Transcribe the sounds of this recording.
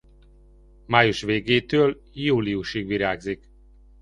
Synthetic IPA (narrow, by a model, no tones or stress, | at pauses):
maːjuʃʋeːɡeːt̪øːl | juːlijuʃiɡʋiɾaːɡzik